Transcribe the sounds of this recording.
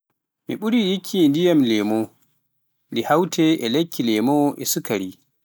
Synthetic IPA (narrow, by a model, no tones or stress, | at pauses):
miɓuɾijikʰːindijamlɛmɔ | ndihawtʰɛɛlekːilɛmɔʔɛsukaɾi